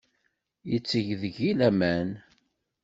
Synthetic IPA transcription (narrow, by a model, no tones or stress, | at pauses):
jət͡sːəʝðəʝilæmæn